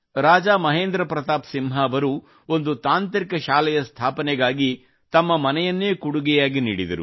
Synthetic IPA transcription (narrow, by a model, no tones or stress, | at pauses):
ɾaːd͡ʒaːmɐɦeːnd̪ɾɐpɾɐt̪aːpsimɦɐːʋɐɾu | o̞nd̪ut̪aːnt̪ɾikɐʃaːlɛjɐst̪ʰaːpɐnɛɡaːɡi | t̪ɐmːɐmɐnɛjɐnːeːkuɽuɡɛjaːɡiniːɽid̪ɐ̰ɾṵ